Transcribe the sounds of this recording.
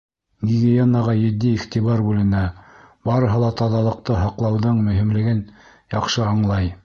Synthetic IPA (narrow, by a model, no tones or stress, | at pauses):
ɡʲiɡʲionːɑʁɑjɘ̆d̪ːiːχt̪iβɑɾbʉlɘ̆næ | bɑɾɤ̆ɦɤ̆lˠɑt̪ɑðɑlˠɤ̆q̚t̪ɤɦɑqlˠɑwðɤɴmɵ̆ɦimlɘ̆ɡɘn | jɑqʃɤɑɴlˠɑj